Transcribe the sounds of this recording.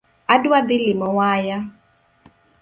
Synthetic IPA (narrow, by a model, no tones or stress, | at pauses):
adwad̪ɪlɪmɔwaja